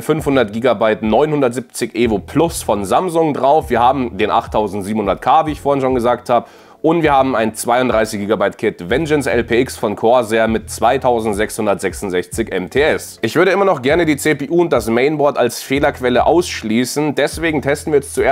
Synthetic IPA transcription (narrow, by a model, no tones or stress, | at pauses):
fʏnfhʊndɐt̚ɡ̥iːɡabaɪtnɔʏnhʊndɐtz̥ɪp̚t͡sɪçʔeːvopʰl̥ʊsfɔnzamzʊŋdʁaʊfv̥iːɐhaːbm̩deːnʔa̰χtʰːaʊzn̩tziːbm̩hʊndɐtkʰaːviːɪçfoːɐhɪnʃoːnɡəzaːk̚thaːbə | ʊntv̥iːɐhaːbm̩aɪnt͡sv̥aɪʊnd̥ʁaɪsɪçɡ̥iːɡabaɪtkʰɪtvɛnd͡ʒɛnsɛ̰lpʰeːɪksfɔnkʰoɐzeɐmɪtt͡sv̥aɪtʰaʊzn̩tz̥ɛkshʊndɐtz̥ɛksʊntz̥ɛçt͡sɪçʔɛmtʰeːɛsʔɪçv̥ʏɐɾəʔɪmɐnɔχɡ̥ɛɐnədiːt͡seːpeːʔuːʊnt̚d̥asmɛɪnbɔɐtalsfeːlɐkʰv̥ɛləʔa̰ʊsʃliːsn̩dɛsv̥eːɡŋ̩tʰɛstn̩viːɐɛst͡suʔeː